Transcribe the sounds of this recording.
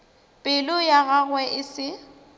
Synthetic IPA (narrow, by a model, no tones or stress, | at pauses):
pʼɪlʊjaɣaɣwɛʔɪsɪ